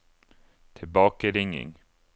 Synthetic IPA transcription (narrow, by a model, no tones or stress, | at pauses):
t̪ʰɪlbɑːkəɾɪŋːɪ̰ŋ